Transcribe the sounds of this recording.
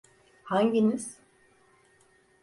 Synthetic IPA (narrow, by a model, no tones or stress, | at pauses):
haɲɟiniz̥